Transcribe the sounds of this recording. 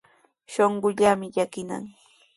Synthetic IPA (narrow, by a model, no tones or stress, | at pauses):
ʃoɴɢʊʎamɪʎakɪna̰ŋ